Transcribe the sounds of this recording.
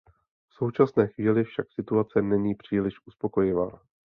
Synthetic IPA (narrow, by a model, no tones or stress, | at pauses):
fso̞wt͡ʃasnɛːxviːlɪfʃaksɪt̪uat͡sɛnɛɲiːpr̝̥iːlɪʃʔuspo̞ko̞jɪva̰ː